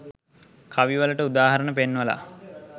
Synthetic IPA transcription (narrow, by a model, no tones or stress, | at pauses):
kʰaʋiʋələʈəud̪aːɦɐɾəɳəpenːʋəla̰